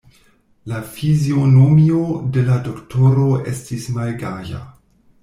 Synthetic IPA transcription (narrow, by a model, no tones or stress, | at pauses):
lafizio̞no̞mio̞de̞lado̞kto̞ɾo̞e̞̰stismalɡaʒa̰